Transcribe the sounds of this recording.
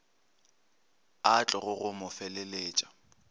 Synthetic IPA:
at͡ɬʼɔɣʊɣʊmʊfɛleleːt͡ʃʼḁ

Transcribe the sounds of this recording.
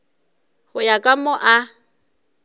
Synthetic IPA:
hʊjakʼamɔʔa

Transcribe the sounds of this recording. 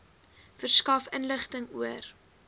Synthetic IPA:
fərskɐfənləχtəŋuər

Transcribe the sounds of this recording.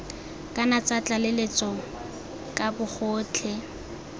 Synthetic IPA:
kʼanat͡sʼat͡ɬʼalelet͡sʼɔ | kʼabʊk͡xʰʊːt͡ɬʰɛ

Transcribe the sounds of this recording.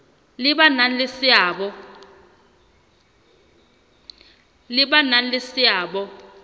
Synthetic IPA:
lɪɓanalɪsɪaɓɔ | lɪɓanalɪsɪaːɓɔ

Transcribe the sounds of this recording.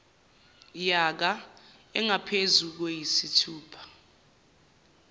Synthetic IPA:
jak̬a | ɛŋapʰezuk̬wejisitʰuːpʰḁ

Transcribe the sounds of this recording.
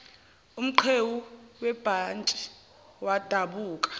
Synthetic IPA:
um̩ǃʰewuwɛb̥ʱant͡ʃʼi̥ | wad̥ʱaɓuːk̬ʼḁ

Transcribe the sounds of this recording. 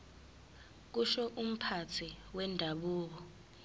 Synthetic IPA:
k̬uʃɔʔum̩pʰat͡sʰiwɛndʱaɓuːk̬ɔ

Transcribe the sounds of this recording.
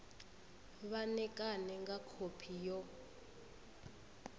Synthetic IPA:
βanɛkʼanɛŋɡakʰopʰijɔ

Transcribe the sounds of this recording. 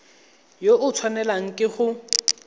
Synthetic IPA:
joʔʊt͡sʰwanɛlaŋ̩kʼɪχʊ

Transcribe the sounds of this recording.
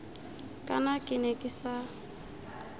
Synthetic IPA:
kʼanakʼɪnɛkʼɪsa

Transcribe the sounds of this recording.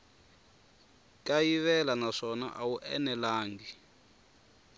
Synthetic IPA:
kʼajiβɛlanaʂɔna̰ʔawuʔɛ̰nɛlaːŋɡi

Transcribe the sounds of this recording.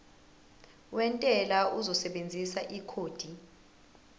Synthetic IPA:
wɛntʼɛlauzɔsɛɓend͡zʱisaʔikʰoːd̥ʱi

